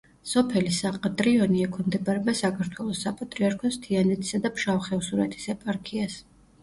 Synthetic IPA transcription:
sɔpʰɛlisaqʼat̪ʼɾiɔniɛkʰɔmd̪ɛbaɾɛbasakʰaɾt̪ʰwɛlˠɔsːapʼat̪ʼɾiaɾkʰɔst̪ʰianɛt̪ʰi̥sad̪apʰʃawχɛvsuɾɛ̰t̪ʰi̥sɛpʼaɾkʰias

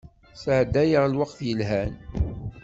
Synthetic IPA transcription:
səʕd̪ːæjəʁlwɑqθjəlɦæn

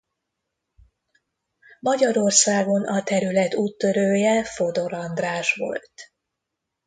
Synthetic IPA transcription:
mɒɟɒɾo̞rsaːɡo̞nɒt̪ɛɾylɛt̪uːt̪ːøɾøːjɛfo̞d̪o̞ɾɒnd̪raːʃʋo̞̰lt̪

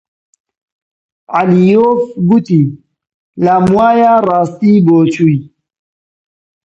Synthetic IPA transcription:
alijofɡuti | lamwajaɾast̪iboːt͡ʃui

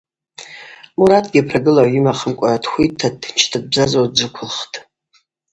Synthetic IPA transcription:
muɾatʰʼɡʲipʰraɡɨlawimaχəmkʷʼatʰxʷitʰːant͡ʃʰtʰɨb̚bzazodd͡zɨkʷʰʊlχtʼ

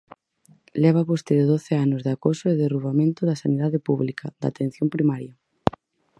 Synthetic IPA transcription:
lɛβ̞apost̪eɾoðoθɪanʊzðakosʊeðeruβamẽnt̪ʊðɐsaniðaðɪpuβlikʰad̪a̰t̪ẽn̟θjompɾimaɾja

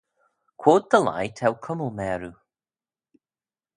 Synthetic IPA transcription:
kʰw̥oːt̪̚d̪əla̰jtʰɛwkʰʊməlˠmɛːɾu

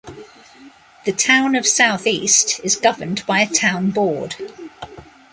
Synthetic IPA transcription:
ðətʰãʊ̃nəv̥saʊθiˑstɪzɡʌvə̃nbaɪətʰãʊ̃nbɔːd̥

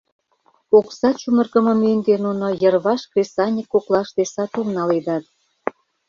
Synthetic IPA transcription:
oksɑt͡ɕumə̆rɣə̆mə̆mend̪enunojə̆rβɑʃkresɑnʲikːoklɑʃd̪esɑt̪umnɑled̪ɑt̪̚

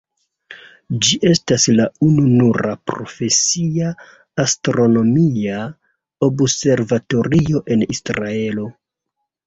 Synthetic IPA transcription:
d͡ʒiʔe̞staslaununuɾapɾo̞̰fe̞siaː | stɾo̞no̞mia | o̞bse̞ɾvato̞ɾio̞ʔe̞nisɾae̞lo̞

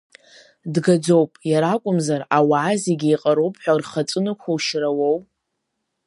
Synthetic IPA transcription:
dɡad͡zowpʼjaɾakʷʼʊmzarawaʕːzeɡʲiiqʼaɾowpʰʼħʷᶣarχat͡sʼɨnɨkʷʰowʃrawow

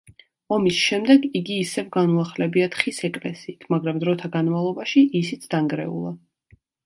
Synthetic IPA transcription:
ɔmisʃɛmd̪ɛɡiɡiːsɛvɡanuaχlɛbiat̪χisɛkʼlɛ̰siːt̪ʰmaɡɾamd̪ɾɔt̪ʰaɡanmavlˠɔbaʃiʔisit̪sʰd̪̥aŋɡɾɛ̰ṵlˠa

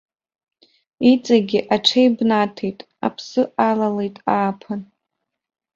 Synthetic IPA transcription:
it͡sʼaɡʲɪʔaʈ͡ʂʰejbnatʰejtʼ | a̰pʰsɨʔalalejtʼaːpʰan

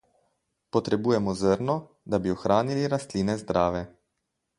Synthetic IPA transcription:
pɔt̪ɾɛbuːjɛmɔzəɾnɔ | d̪abiɔxɾʔaːniliɾast̪liːnɛzd̪ɾaːʋɛ

